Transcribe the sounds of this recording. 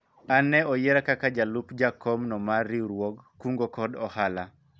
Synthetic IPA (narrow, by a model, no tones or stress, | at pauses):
anɛɔjeɾakakad͡ʒalupd͡ʒakɔmnɔmariɾwɔɡːuŋɡokɔdɔhala